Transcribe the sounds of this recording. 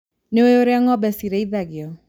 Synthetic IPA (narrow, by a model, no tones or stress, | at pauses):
neojoɾeaŋɔbɛsiɾeiðaɡɪɔ